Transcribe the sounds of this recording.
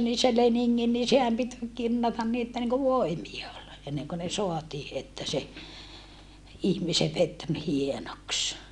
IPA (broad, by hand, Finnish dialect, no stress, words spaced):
ni se leniŋːin ni sehæm pit kinːɑtɑn ni etːæ niŋku ʋoimiɑ ol enːeŋko ne soɑtiː etːæ se ihmiseʋ ʋet ni hienoks